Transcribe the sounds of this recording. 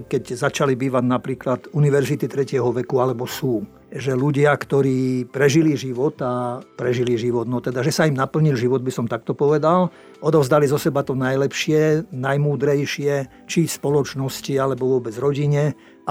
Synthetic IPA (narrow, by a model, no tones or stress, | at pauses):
kɛɟzat͡ʃalibiːʋaɟnapɾiːklad̪uniʋɛɾzit̪it̪ɾɛcɪɛɦɔʋɛkualɛbɔsuː | ʒɛluɟɪakt̪ɔɾiːpɾɛʒiliʒiʋɔt̪apɾɛʒiliʒiʋɔd̪nɔt̪ɛd̪aʒɛsaimnapl̩ɲilʒiʋɔd̪̚bisɔmt̪ak̚t̪ɔpɔʋɛd̪al | ɔd̪ɔʊzd̪alizɔsɛbat̪ɔnajlɛpʃɪɛnajmuːd̪ɾɛjʃɪɛ | t͡ʃispɔlɔt͡ʃnɔscialɛbɔʋʊɔbɛd͡zɾɔɟiɲɛ | a